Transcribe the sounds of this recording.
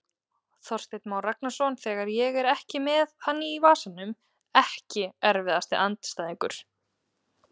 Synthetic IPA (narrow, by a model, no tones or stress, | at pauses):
θɔr̥st̪ejt̪mawrak̚nasɔnθɛːɣaɾjɛɣɛɾɛhcɪmɛðhanːɪivaːsanːʏm | ɛhcɪɛɾvɪðast̪ɪʔant̪st̪aːðĩŋkʏɾ̥